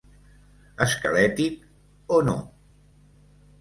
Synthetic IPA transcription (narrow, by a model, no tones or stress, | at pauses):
əskəlɛt̪ik̚ | ono̰